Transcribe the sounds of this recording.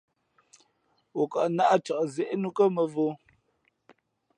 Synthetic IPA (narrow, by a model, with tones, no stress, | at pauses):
wo˨ka˨ʔna˦ʔa˦t͡ʃa˨ʔzɛ˨ʔnu˦kə˦mə˨vo˦